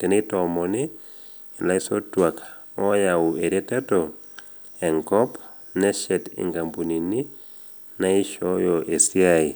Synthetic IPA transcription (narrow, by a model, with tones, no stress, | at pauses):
tɛ˨nɪ˦tɔmɔ˨nɪ˨ | la˦i˦sɔ˦twa˨k | ɔ˦ja˨ʊ˨e˨ɾe˦tɛ˦tɔ | ɛ˨ŋkɔ˦p | nɛ˦ʃɛ˨tɪ̰˨ŋɡa˨mbu˨ni˨ni˦ | na˦ɪ˦ʃɔ˦jɔ˨ʔe˨si˦a˦i˨